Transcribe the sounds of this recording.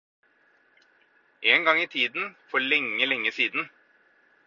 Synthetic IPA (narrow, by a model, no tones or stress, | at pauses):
ʔeːnɡɑŋit̪ʰiːd̪n̩fɔɭɛŋːəlɛŋːəsiːd̪n̩